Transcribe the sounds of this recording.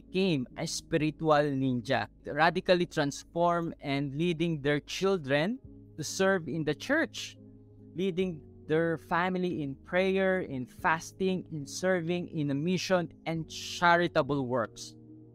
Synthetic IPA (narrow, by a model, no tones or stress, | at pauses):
kẽjmʔɐ̰spɪɾɪt̪ualnĩnd͡ʒa̰ | ɹad̪ɪkalit̪ɹãnsfɔɹmɛ̃nd̪lid̪ɪ̃ŋd̪ɛɹt͡ʃɪld̪ɹɛ̃nt̪usɛɹvɪ̃nd̪ɐt͡ʃɛɹt͡ʃ | lid̪ɪ̃ŋ | d̪ɛɹfamɪliʔɪ̃npʰɹɛjɛɹɪ̃nfast̪ɪ̃ŋɛ̃nsɛɹvɪ̃ŋɪ̃nɐmɪʃɔ̃nɛ̃nd̪t͡ʃaɹɪt̪ɐbəlwɛɹks